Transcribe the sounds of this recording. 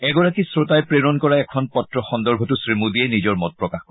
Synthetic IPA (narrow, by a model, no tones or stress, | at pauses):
ɛɡɔɹakisɹotajpɹeɹɔnkɔɹaɛkʰɔnpɔtɹɔxɔnd̪ɔɹbʱɔtusɹimud̪iɛnid͡ʒɔɹmɔt̚pɹɔkaxɔ